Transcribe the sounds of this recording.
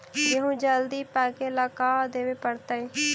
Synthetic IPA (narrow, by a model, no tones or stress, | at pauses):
jeɦũːd͡ʒəld̪iːpɛːkeːlaːkaːd̪eːʋeːpəɽt̪aːeː